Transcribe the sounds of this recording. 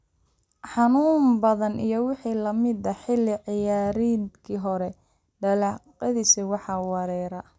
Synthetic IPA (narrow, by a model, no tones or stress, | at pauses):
ħɑnuːmbɐðɐnʔḭjɞwɪħiːlɐmɪd̪ɐħɪlːɪʕɪjaːɾiːnkʰiːɦɔɾɛ | ɖɐlɑːqɐðiːsɪwɑħɑwɑɾɛːɾɐ